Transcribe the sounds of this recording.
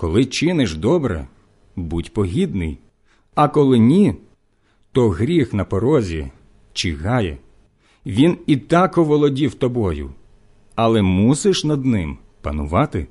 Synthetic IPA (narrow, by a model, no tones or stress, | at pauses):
kɔlˠɪt͡ʃɪnɪʃd̪ɔbɾɛ̰ | budʲpɔɦʲid̪nɪ̰j | ɐkɔlˠɪnʲi | t̪ɔɦɾʲixnɐpɔɾɔzʲi | t͡ʃiɦɑjɛ̰ | ʋʲinit̪ɑkɔʋɔlˠɔdʲiwt̪ɔbɔjʊ̰ | ɐlˠɛmusɪʃnɐd̪nɪm | pɐnʊ̰ʋɑt̪ɪ